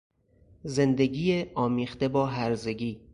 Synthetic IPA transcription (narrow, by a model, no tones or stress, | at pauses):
ze̞nd̪e̞ɡiːjeʔɒːmiːxt̪e̞bɒːɦæɾze̞ɡiː